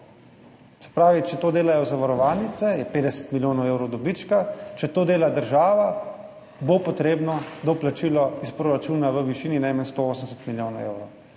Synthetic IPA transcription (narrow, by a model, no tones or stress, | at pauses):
sɛ̥pɾaːʋit͡ʃɛt̪oːd̪eːlajɔzaʋaɾɔʋaːlnit̪sɛjɛpeːd̪ɛsə̥t̪miljoːnɔweːwɾɔd̪ɔbit͡ʃkat͡ʃɛt̪oːd̪eːlad̪əɾʒaːʋa | bopɔt̪ɾeːbnɔd̪ɔplat͡ʃiːlɔispɾɔɾat͡ʃuːnaʋəʋiʃiːninajmanst̪ooːsəmsɛ̥t̪miljoːnɔwḛːwɾɔw